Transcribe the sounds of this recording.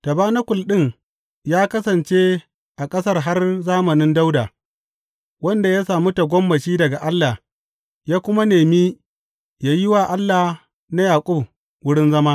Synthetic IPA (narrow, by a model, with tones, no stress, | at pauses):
tɐ˨baː˦na˦kʷʊ˨lɗɪ˦ŋ | jaː˦kɐ˦sɐ˨nt͡ʃe˦ | ʔa˨kʼɐ˦sɐ˦rɦa˦rzaː˦mɐ˨nɪ˦nda˦wdaː˨ | wɐ˦nda˨jaː˦saː˨mu˦ta˨ɡʷɔ˦mːɐ˨t͡ʃiː˦dɐ˨ɡa˨ʔa˦lːa˨ | jaː˦kʷʊ˦ma˦neː˨miː˦ | jaː˦jɪ˦waː˨ʔa˦lːa˨ | na˦jaː˨kʷʼʊ˦b | wʊ˦ɽɪ˦nzɐ˦maː˦